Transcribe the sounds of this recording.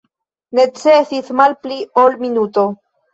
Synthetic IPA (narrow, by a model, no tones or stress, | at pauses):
ne̞t͡sesit͡smalpliolminuto̞